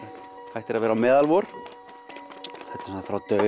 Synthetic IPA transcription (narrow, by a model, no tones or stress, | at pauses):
hajht̪ɪɾaðvɛːɾamɛːðalvɔɾ̥ | θɛht̪ɪ̥ɾsnafɾawt̪œ